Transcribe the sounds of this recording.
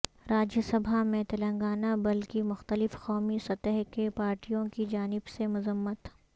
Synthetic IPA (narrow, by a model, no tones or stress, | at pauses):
ɾaːd͡ʒəsɐbʱamẽt̪ɐlə̃ŋɡaːnabɐlkimʊxt̪əlɪfqɔːmisɐt̪əɦkepaːɾʈijõkid͡ʒaːnɪbsemʊzəmːət̪